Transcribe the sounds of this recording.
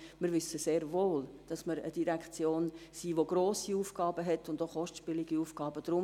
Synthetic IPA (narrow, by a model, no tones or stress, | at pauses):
mɪɾʋʏsəseːɾvoːld̥ɑsməɾə̰d̥iɾækt͡sjoːnsiːʋoɡɾoːsiuːfɡ̥ɑːbəɦɛtːʊndoχɔʃtʃpɪliɡ̥iuːfɡ̥ɑːb̥əd̥ɾʊ